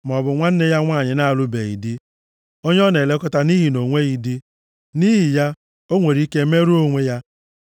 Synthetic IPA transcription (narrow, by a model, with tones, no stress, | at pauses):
m˨ɔ˨bʊ˨ŋʷa˦n̩˦ne˦ja˦ŋʷa˦˨ɲɪ˨na˦a˨lʊ˦be˨ḭ˨di˦ | o˦ɲ˦ɔ˦ne˨le˦kɔ˦ta˦ni˦ɦi˨no˨ŋʷe˦i˨di˦ | ni˦ɦi˨ja˦ | o˦ŋʷe˨ɾi˦ke˦me˦ɾu˦o˦ŋʷe˦ja˦